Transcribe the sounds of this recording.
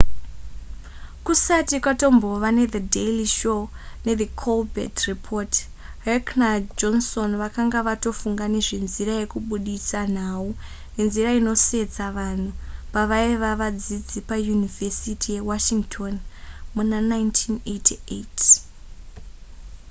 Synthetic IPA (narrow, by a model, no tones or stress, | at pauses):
kusatikwato̞mbo̞ʋane̞ðedeliʃo | ne̞ðikʰolbʱḛtripʰot | reknad͡ʒonso̞nʋakaŋɡaʋato̞fuŋɡane̞ʐe̞nziɾaje̞kuɓuɗisan̤au | ne̞nziɾaino̞se̞d͡zaʋan̤upaʋaiʋaʋad͡zid͡zipajunivesitʰije̞waʃiŋɡtʰo̞nmunanajntʰinetʰiḛt